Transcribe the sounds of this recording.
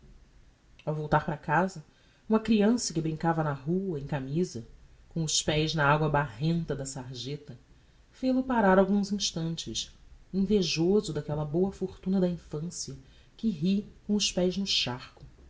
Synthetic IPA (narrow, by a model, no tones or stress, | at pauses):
awvowt̪aχpɾɐkazɐ | ũmɐkɾiɐ̃sɐkɪbɾĩŋkavɐnɐɦuɐẽkamizɐkõʊʃpɛjznɐaɡwɐbahẽnt̪ɐd̪ɐsaɾʒet̪ɐ | fejlʊpaɾaɾawɡũzĩʃt̪ɐ̃nt͡ʃɪsĩveʒozʊd̪akɛlɐbowɐfoɾt̪ũnɐd̪ɐĩfɐ̃siɐ | kɪɦikõʊʃpɛjznʊʃaχkʊ